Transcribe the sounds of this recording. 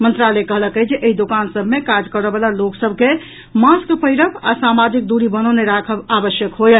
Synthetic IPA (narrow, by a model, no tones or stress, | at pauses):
mənt̪ɾalekəɦləkəd͡ʒeʔeɦid̪okansəbʱmekad͡ʒkəɾəbəlaloksəbʱke | maskpəjɾəka̰samad͡ʒik̚d̪uɾibənoneɾakʰəbabəsjəkɦojə